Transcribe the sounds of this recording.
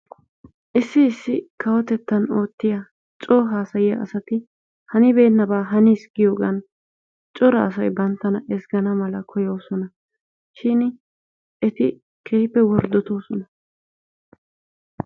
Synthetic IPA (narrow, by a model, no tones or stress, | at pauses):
ʔɪsːɪːsːɪkʰɐwɔt̪ɛt̪ːɐno̞ːt̪ːɪjɐ | t͡ʃʼoːɦaːsɐjɪjɐ̰ʔɐ̰sɐt̪ɪ | hɐnɪbe̞ːnːɐbaːɦɐniːsɡɪjoːɡɐn | t͡ʃʼɔɾɐ̰ɐs̬ɐjbɐnt̪ːɐnɐɛsɡɐnɐmɐlɐkʰɔjo̞ːsɔnɐ | ʃɪn | ʔɛt̪ɪ | kʰeːpːɛwɔɾd̪ɔt̪o̞ːsɔnɐ